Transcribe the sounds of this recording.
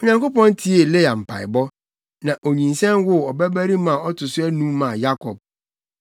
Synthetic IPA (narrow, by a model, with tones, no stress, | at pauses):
o˨ɲã˨ŋko˦pɔ̃˦n˦tʰi˦e˨le˦a˨m̩˨pʰa̰˨ɪ̰˨bɔ˦ | nã˨ʔo˨ɲĩ˨nsɛ̃˦nwʊ˦ɔ˨bæ˦bæ˦ɾi˦mã˨ɔ˦tʰʊ˨sʊ˦æ˦nũ˦mã˨ja˦kʰɔ˨b̚